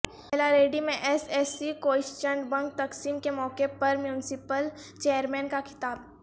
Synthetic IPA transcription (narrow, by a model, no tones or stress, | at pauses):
ɛlaɾeːɖimẽʔɛsɛːsikoːɪʃt͡ʃə̃ɳɖbɐ̃ŋk̚t̪ɐksiːmkemɔːkepɐɾmjuːnɪsɪpəl | t͡ʃeːjəɾmɛ̃ːnkakʰɪ̥t̪aːb̚